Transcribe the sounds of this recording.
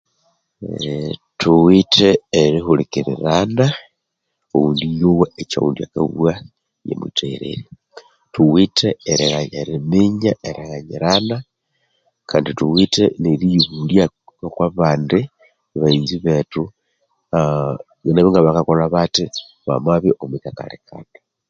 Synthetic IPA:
tʰuwitʰeːɾixulikiɾḭɾana | o̰wuːndijoweet͡ʃa̰ṵːndia̰ka̰βa | jḛmwḭtʰeɾḛɾi | tuwitʰeːɾeɣaɲeɾimiɲaʔeɾeɣaɲiɾana | kʰaːndituwiteneɾijiβulja | okwaβaːndi | iβaiːnziβetu | ɣeneβiŋɡaβakakoɾaβati | βa̰maβiʔomwitaka̰lekʰa̰na

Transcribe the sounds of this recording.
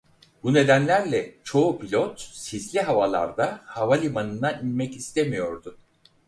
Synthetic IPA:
bune̞d̪ænlʲæɾlʲɛt͡ʃʰo̞upilʲot̪sislʲiɦavalˠa̰ɾd̪ahavalʲimanɯnd̪aninmɛcist̪ʰemijo̞ɾd̪ʊ

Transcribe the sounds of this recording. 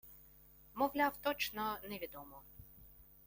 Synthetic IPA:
mɔwlʲawt̪ɔt͡ʃnɔnɛʋʲid̪ɔmɔ

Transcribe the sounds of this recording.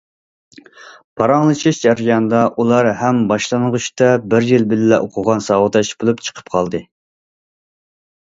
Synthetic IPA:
pʰɑɾɑŋlˠɨt͡ʃʰiʃd͡ʒæɾijɑnɨd̪ɑʔulˠɑɾhɛmbɑʃlˠɑnʁuʃt̪ɑbɪɾjilbɪlɪlɛʔoqʰʊʁɑnsɑːwət̪ɑʃb̥olˠupt͡ʃʰə̥qʰə̥p̚qʰɑlˠd̪ɨ

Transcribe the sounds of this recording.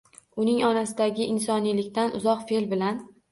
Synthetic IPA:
ʊnɪŋɒnasɪd̪aɡʲɪʔɪnsɒnijlɪkʲt̪anʔʊzɒqfelbɪlan

